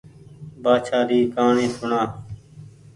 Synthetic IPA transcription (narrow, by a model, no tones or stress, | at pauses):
baːt͡ʃʰaːɾiːkaːɳẽːsʊɳãː